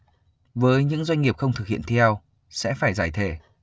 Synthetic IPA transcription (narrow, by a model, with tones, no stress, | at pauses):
vəː˨˦jɲɨ̰˧˥ŋzwa˧jŋ̟ŋi˨˩əp̚xə˧wŋ͡mt̪ʰɨ˨˩k̚hḭ˧˨ənt̪ʰi˧ɛ˧w | sɛ̰˧˥faː˧˩jzaː˧˩jt̪ʰe˧˩